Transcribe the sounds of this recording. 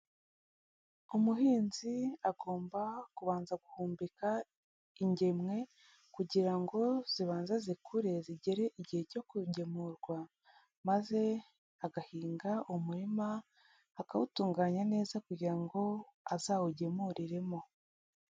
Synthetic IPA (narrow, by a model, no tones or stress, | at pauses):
umuɦiːnziaɡo̞ːmbakuβaːnzaɡuhuːmbika | iɲɟe̞mŋe̞ | kuɟiɾaŋɡo̞z̥iβaːnzezikʰuɾe̞ziɟe̞ɾe̞ʔiɟihe̞co̞kuɟe̞muɾɡwa | maze̞ | aɡahiːŋɡaumuɾimaː | kawutuːŋɡaːɲane̞ːzakuɟiɾaŋɡo̞azaːwuɟe̞muɾiɾe̞mo̞